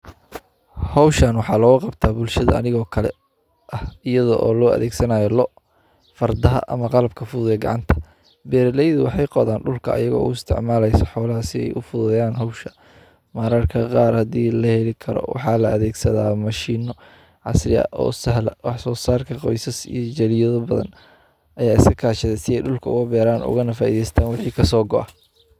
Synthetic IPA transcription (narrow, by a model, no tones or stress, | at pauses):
hɔwʃɐnwɑħɑːlɔːɣʊqɑbt̪ʰaːbʊlʃɐðɐ̰ɐ̰nɪɣɔːkʰɐlɛ̰ | ʔɐhɪjɐðɔʔɔ̰ːlɔːʔɐ̰ðɛːɡsɐnaːjɔlɔ | fɐrd̪ɐɦɐ̰ʔɐmɐqɑlɐb̚kʰɐfʊðjɐɡɑ̰ʕɑnt̪ʰɐ̥ | bɛːɾlɛjðʊwɑħɑjqɔðaːnɖʊlkʰɐʔjɐɣɔ̰ːʊ̰ɪst̪ʰɪ̰ʕmaːlɛjsɐħɔːlɐɦɐsɪɛ̰jʔʊfʊðɐjaːnɦɔwʃɐ̥ | maːɾaːrkʰɐqɑːrhɐd̪iːlɐhɛlɪkʰɐɾɔ̰wʔɑ̰ħɑːlɐɐðɛːɡsɐðaːmɐʃiːnɔ | ʕɑsɾɪɐ̰ʔɔ̰ːsɐɦlɐwɑħsɔːsaːrkʰɐqɔjsɐsḭjɔd͡ʒɐlɪjɐðɐbɐðɐ̰n | ʔɐjaːɪskɐkʰaːʃɐðɛsɪɛjɖʊlkʰɐʊɣʊbɛːɾaːnʊ̰ɣɐnɐfaːʔḭːðɛjst̪ʰaːnwɪħiːkʰɐsɔːɡɔʔɐ